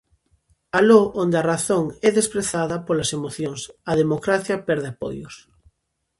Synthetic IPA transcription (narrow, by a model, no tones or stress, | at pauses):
aloʔond̪ɐraθoŋɛðespɾeθaðɐpolɐsemoθjoŋsɐðemokɾaθjɐpɛɾðɪapo̰jʊ̰s